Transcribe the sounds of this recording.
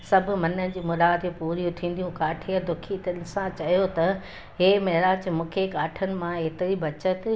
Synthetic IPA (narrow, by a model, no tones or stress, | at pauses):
sɐbʱʊ̆mɐnənɪ̆d͡ʑiːmʊɾaːd̪epuːɾijũt̪ʰĩːn̆d̪ijũkaːʈʰiəd̪ʊkʰit̪nɪ̆sãt͡ɕɐjot̪ɐ | ɦeːmɐɦɾaːt͡ɕmũːkʰekaːʈʰənɪ̆mãeɦt̪ɪɾibɐt͡ɕət̪̆